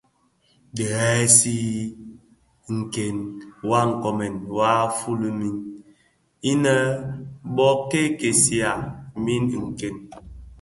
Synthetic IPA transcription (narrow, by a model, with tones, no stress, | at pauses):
dɛ˨ɣɛ˦si˦ | ŋ̩˨ke˨nwa˦ŋ̩˨kɔ˨mɛ˨nwa˦fu˦lə˦mi˦n | i˦nə˦bɔ˦ke˦ke˨si˨a˨mi˦n˨ŋ̩˨ke˨n